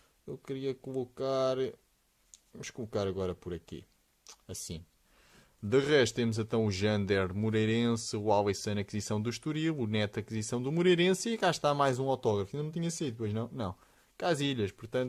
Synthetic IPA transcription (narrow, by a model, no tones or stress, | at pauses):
ewkɨɾiɐkulˠukaɾ | ɐmuʃkulˠukaɾɐɣɔɾɐpuɾɐkḛ | ɐsḭ̃ | d̪ɨʁɛʃt̪t̪emuzɛ̃t̪ɐ̃w̃uʒɐ̃nd̪ɛɾmuɾɐjɾẽsɨwalˠesɐ̃nɐkizisɐ̃w̃d̪uʃt̪uɾilˠunɛt̪ɐkizisɐ̃w̃d̪umuɾejɾẽsiɐkaʃt̪amajzũawt̪ɔɣɾɐfĩnd̪ɐnɐ̃t̪iɲɐsɐiðpojʒnɐ̃w̃nɐ̃w̃ | kaziʎɐʃpuɾt̪ɐ̃nt̪